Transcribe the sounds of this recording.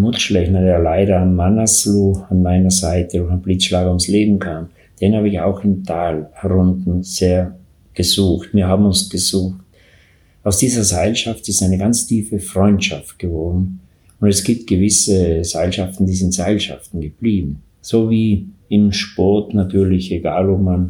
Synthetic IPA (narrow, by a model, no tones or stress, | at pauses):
mʊʃlɛçnɐdeːɐlaɪɾɐanmanasluːanmaɪnɐzaɪtədʊɐχanblit͡sʃlaːɡɐʊmsleːbm̩kʰaːm | d̥enhaːbəɪça̰ʊxɪmtʰaːlhɛʁʊntn̩z̥eːɐ | ɡ̥əzuːxtviːɐɦaːbm̩ʊnsɡ̥əzuːxt̚ | aʊsd̥iːzɐzaɪlʃaftɪstaɪnəɡant͡stʰiːfəfʁ̥ɔʏntʃaft̚ɡ̥əvɔɐdn̩ | ʊndɛsɡ̥iːp̚t̚ɡ̥əvɪsəzaɪlʃaftn̩diːzɪntz̥aɪlʃa̰ftn̩ɡəb̥liːbm̩ | z̥oːviːɪmʃpɔɐtnatʰyːɐlɪçeɡaːlopman